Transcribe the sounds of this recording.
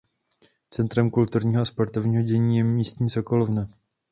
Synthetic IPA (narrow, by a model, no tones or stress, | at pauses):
t͡sɛnt̪ɾɛmkult̪uɾɲiːɦoaspoɾt̪ovɲiːɦo̞ɟɛɲiːjɛmiːst̪ɲiːsoko̞lovnɛ